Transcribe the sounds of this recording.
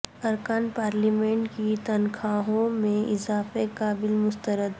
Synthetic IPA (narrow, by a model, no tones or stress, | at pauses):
ɐɾkaːnpaːɾliːmẽːɳʈkit̪ɐnkʰaːɦõmẽɪzaːfekaːbɪlmʊst̪əɾəd̪